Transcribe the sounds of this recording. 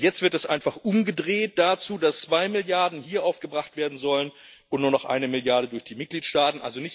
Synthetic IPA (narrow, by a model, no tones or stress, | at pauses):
jɛt͡stv̥ɪɐtɛsʔa̰ɪnfaχʔʊmɡədʁeːt̚d̥at͡suːdast͡sv̥aɪmɪljaɐdn̩hiːɐʔaʊfɡ̥əbʁaχtv̥eːɐdn̩zɔlən | ʔʊntnuːɐnɔχʔa̰ɪnəmɪljaɐɾədʊɐçd̥iːmɪt̚ɡ̥liːtʃtaːtn̩ʔa̰lzonɪçt